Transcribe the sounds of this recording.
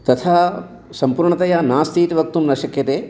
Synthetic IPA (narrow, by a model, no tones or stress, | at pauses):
t̪ɐt̪ʰaː | sɐmpuːɾɳɐt̪ɐjaːnaːst̪ʰiːt̪iʋɐk̚t̪umnɐʃɐkjɐt̪eː